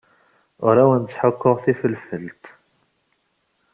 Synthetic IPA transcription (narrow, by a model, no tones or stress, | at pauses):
ʊɾæwænt͡sːħəkːʊʁθifəlfəlt̪